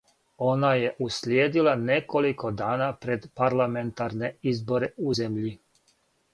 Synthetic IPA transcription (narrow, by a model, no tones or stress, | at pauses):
o̞naje̞ʔusljeːd̪ilˠane̞ko̞liko̞d̪aːnapɾe̞d̪paɾlˠame̞nt̪aɾne̞izbo̞ɾe̞uzemʎi